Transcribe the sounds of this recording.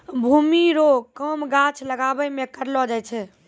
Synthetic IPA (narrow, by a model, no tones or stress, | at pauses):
bʱumiɾokəmɡãt͡ʃʰləɡabəmekəɾlɔd͡ʒajt͡ʃʰɛ